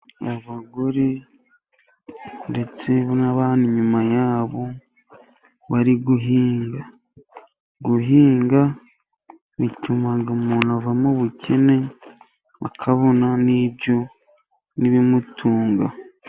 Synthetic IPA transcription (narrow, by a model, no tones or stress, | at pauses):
aβaɡoɾe | nde̞t͡se̞βnaβaːndiɲumajaːβo̞ | βaɾiɡuɦiːŋɡa | ɡuɦiːŋɡa | βitumaɡamuːn̤uavamoβucʰe̞ne̞ | βa̰kʰaβo̞naniːbɟo̞ | niβimutʰuːŋɡa